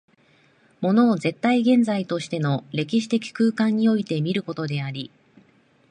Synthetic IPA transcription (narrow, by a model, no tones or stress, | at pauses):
mo̞no̞ːze̞t̪ːaiɡẽ̞nd͡zait̪o̞ɕi̥t̪e̞no̞ɾe̞kʲiɕi̥t̪e̞kʲi̥kɯ̟ːkãɲ̟ːio̞it̪e̞mʲiɾɯ̟ko̞t̪o̞d̪e̞aɾʲi